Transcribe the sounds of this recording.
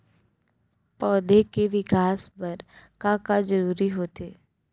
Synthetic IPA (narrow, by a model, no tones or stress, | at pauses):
pɔːd̪ekeʋɪkaːspɐɾkãːkad͡ʒɐɾuːɾiɦoːt̪eː